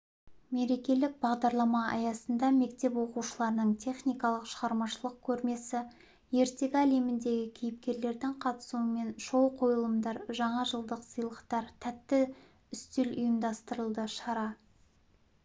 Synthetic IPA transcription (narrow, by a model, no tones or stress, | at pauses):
me̞ɾe̞kʲe̞lɪk̚bɑʁd̪ɑɾlˠɑmɑɑ̰jɑsənd̪ɑme̞kt̪e̞pwo̞quʃəlˠɑɾənəɴt̪ʲʰe̞χnijkɑlˠəqʃəʁɑɾmɑʃəlˠəq̚kʲʰɵɾme̞sɪ | je̞ɾt̪e̞ɡʲæle̞mɪnd̪e̞ɡʲɪkʲʰijɪp̚kʲe̞ɾle̞ɾd̪ɪŋqʰɑt̪ə̥suəme̞nʃo̞wqʰo̞jəlˠəmd̪ɑɾʒɑɴɑʒəlˠd̪əqsəjlˠəqt̪ɑɾt̪ʰæt̪ːɪ | ʏst̪elʊjəmd̪ɑst̪əɾəlˠd̪əʃɑɾɑ